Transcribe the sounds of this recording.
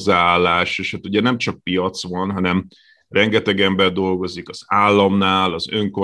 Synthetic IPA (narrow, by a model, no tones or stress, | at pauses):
zːaaːlːaːʃeʃhat̪uɟɛnɛmt͡ʃɒk̚pijɒt̪sʋɒnɦɒnɛm | rʔɛŋɡɛt̪ɛɡɛmbɛrd̪o̞lɡo̞zikɒz̥aːlːɒmnaːlɒzø̞ŋko